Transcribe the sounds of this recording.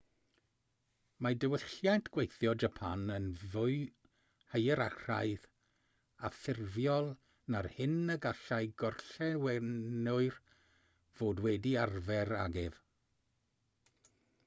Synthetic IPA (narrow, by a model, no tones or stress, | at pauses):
madəwɪɬjajntʰɡ̥wejθjɔd͡ʒapʰanənvʊɨ | həjəɾar̥a̰ɨð | afɪrvjɔlˠ | narhɪnəɡaɬajɡɔrɬɛwɛnʊɨr | v̥oːdwɛdiarvɛɾa̰ɡɪv